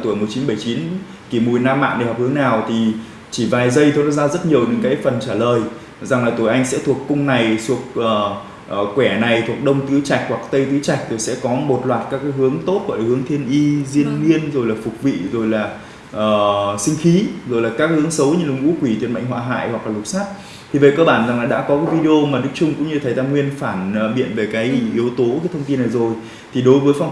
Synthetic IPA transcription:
t̪u˧˩˨jmo˨˩t̚t͡ɕi˨˦nɓə˧˩jt͡ɕi˨˦n | ki˧˩mu˨˩jnaː˧mːa̰ː˧˨nɗe˧˩ɦɔ˨˩p̚hɨ˨˦əŋnaː˨˩wt̪ʰi˨˩ | t͡ɕi˧˩vaː˨˩jzə˧jt̪ʰo˧nɔ˨˧˦zaː˧zə˦˥t̚ɲi˨˩əwɲɨ̰˧˥ŋkaː˨˦jfə˨˩nt͡ɕaː˧˩ləː˨˩j | za˨˩ŋlaː˨˩t̪u˧˩jʔa˧jŋ̟sɛ̰˧˥t̪ʰu˨˩əkkʊ˧ŋ͡mna˨˩jsu˨˩ək̚ʔəː˨˩˨ | kwɛ˧˩na˨˩jt̪ʰu˨˩ək̚ɗə˧wŋ͡mt̪ɨ˨˦t͡ɕa˨˩jk̚hwa˨˩k̚t̪ə˧jt̪ɨ˨˦t͡ɕa˨˩jk̚t̪o˨˩jsɛ̰˧˥kɔ˨˦mo˨˩t̚lwaː˨˩t̚kaː˦˥kːaː˨˦jɦɨ˨˦əŋt̪o˦˥t̚ku˧˩˨həŋt̪ʰi˧ənʔi˧zi˧ənːi˧ənzo˨˩jlaː˨˩fʊ˨˩k͡p̚vḭ˧˨zo˨˩jlaː˨˩ | ʔəː˨˩sï˧ŋ̟xi˨˦zo˨˩jlaː˨˩kaː˦˥k̚hɨ˨˦əŋsə˨˦wɲɨ˧˩lʊ˧˩˨ŋ͡mʔṵ˧˥kwi˧˩t̪wi˨˩nmə̰˧˨ŋ̟ɦwa̰ː˧˨ɦa̰ː˧˨jhwa˨˩k̚laː˨˩lʊ˨˩k͡p̚saː˦˥t̚ | t̪ʰi˨˩və̰˧˨jkəː˧ɓaː˧˩nza˨˩ŋlaː˨˩ɗa̰ː˧˥kɔ˨˦kaː˨˦jvi˧ɗe˧o˧maː˨˩ɗɨ˦˥k̚t͡ɕʊ˧ŋ͡mkʊ̰˧˥ɲɨ˧t̪ʰə˨˩jt̪aː˧ŋwi˧ənfaː˧˩nː˨˩ɓḭ˧˨ənve˨˩kaː˨˦jʔi˨˦əwt̪o˨˦kaː˨˦t̪ʰə˧wŋ͡mt̪i˧nːa˨˩jzo˨˩j | t̪ʰi˨˩ɗo˨˦jvəː˨˦jfa˧ŋ͡m

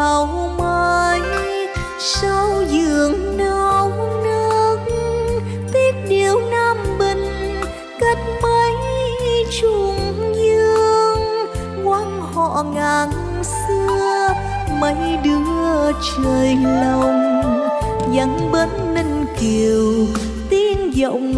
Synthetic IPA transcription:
a˨˩wmə˧˩j | sa˧wzɨ˧˨˩əŋna˧wnɨ˧ək̚ | t̪i˦˥ək̚ɗi˨˩əwnaː˧mɓi˨˩ŋ̟ | kə˧˦˩t̚mə˧j | t͡ɕʊ˧˩ŋzɨ˧əŋ | kwa˧n | hɔ̰˧˨ŋaː˨˩n | sɨ˧əə | mə˨˧˦jɗɨ˨˦ə˩t͡ɕəː˨˩jlə˨˩w | za˨˦ŋɓə˧˨˦nːə˧ŋki˨˩əw | t̪i˧nzə̰˧˨wŋ͡m

